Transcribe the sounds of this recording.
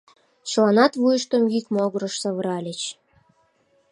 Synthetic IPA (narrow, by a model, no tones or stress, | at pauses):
t͡ɕlˠɑnɑt̪vujəʃt̪omɡikmoɣɾɤ̆ʃsɑβəɾɑlʲĕt͡ɕ